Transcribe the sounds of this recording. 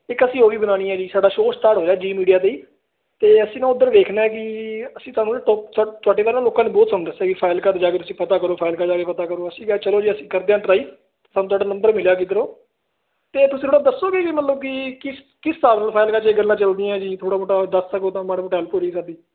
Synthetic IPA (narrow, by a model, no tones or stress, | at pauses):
ɪkəsĩːɦoːɡiːbənaːɽ̃ĩːɛːd͡ʒiːsaːɖaːʃoːsʈ̪aːɽɦoːd͡ʒaːd͡ʒiːmiːɖijaːt̪eiː | t̪eːəsĩːnãːʊd̪əɾʋ̪eːkʰnaːɛk̬ɪəsĩːt̪ʊaːnũt̪ːt̪ʊaːɖeːʋaːɾnaːloːkãːneːbɔːt̪səmd̪əsɛːkipʰaːɪlkəɾd͡ʒaːkeːt̪ʊsĩːpət̪aːkəɾoːpʰaːɪlkãːd͡ʒaːkeːpət̪aːkəɾoːəsĩːɡɛt͡ʃəloːd͡ʒiːəsĩːkəɾd̪eːaːʈɾaːiː | t̪ːt̪aːnuːt̪̬ʰaːɖaːnə̃mbəɾmɪljaːkiːd̪əɾoː | t̪eːt̪ʊsĩt̪ʰoːɽaːd̪əsːoːɡeːkimət̪ləbkɪkɪs | kɪsːaːbnaːlpʰaːɪlkaːt͡ʃːɡəlːãːt͡ʃəld̪iːɛ̃ːd͡ʒiːt̪ʰoːɽaːboʈad̪əstəɡoːt̪ãːmaːɽɦoːʈɛːlpuːɾiːkəɾd̪iː